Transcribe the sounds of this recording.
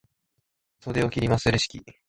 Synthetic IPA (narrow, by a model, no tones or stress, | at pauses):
sod̪eokʲiɾʲimasɨɾeɕi̥kʲi